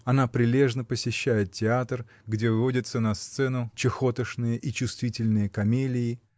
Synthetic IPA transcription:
ɐnapɾʲɪlʲe̞ʐnəpəsʲɪɕːæjɪt̪̚tʲɪat̪r | ɡdʲe̞vɨvo̞dʲɪt̪sənɐst̪sɛnʊt͡ɕɪxo̞t̪əʂnɨjəʔit͡ɕʊst̪vʲitʲɪlʲnɨjəkɐmʲelʲɪɪ

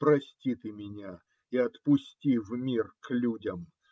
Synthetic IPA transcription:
pɾɐsʲtʲit̪ɨmʲɪnʲa | iɐt̪pʊsʲtʲivmʲirklʲudʲəm

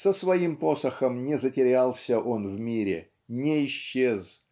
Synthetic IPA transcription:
səsvɐimpo̞səxəmnʲɪzətʲɪɾʲalˠsʲəʔo̞nvmʲiɾʲɪ̰ | nʲɪɪɕːez

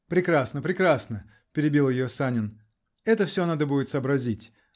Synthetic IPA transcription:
pɾʲɪkɾasnəpɾʲɪkɾasnə | pʲɪɾʲɪbʲilˠjɪjosanʲɪn | ɛt̪əfsʲonad̪əbudʲɪt̪səːbɾɐzʲitʲ

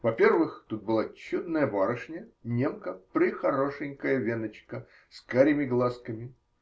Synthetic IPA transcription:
vɐpʲe̞rvɨxt̪ut̪̚bɨlˠat͡ɕːud̪nəjəbaɾəʂnʲənʲe̞mkəpɾʲɪxɐɾoʂɨŋʲkəjəvʲenət͡ɕkə | skaɾʲɪmʲɪɡlˠaskəmʲɪ

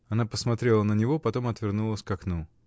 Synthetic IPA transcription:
ɐnapəsmɐt̪ɾʲelˠənənʲɪvo̞pɐt̪o̞mɐt̪vʲɪrnulˠəsʲkɐknu

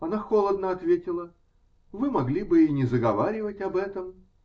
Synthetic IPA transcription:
ɐnaxolˠəd̪nəɐt̪vʲetʲɪlˠə | vɨmɐɡlʲibɨinʲɪzəɡɐvaɾʲɪvətʲɐbɛt̪əm

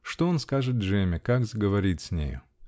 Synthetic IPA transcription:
ʂt̪oonskaʐɨt̪̚ʐɛmʲɪkakzəɡəvɐɾʲit̪ʲsʲnʲḛjʊ̰

